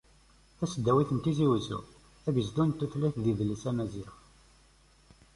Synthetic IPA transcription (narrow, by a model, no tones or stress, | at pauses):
θæsəd̪ːæwiθənt̪iziwzṵ | æbəzd̪unt̪ːəθlæθðiðəlːisæmæziɾ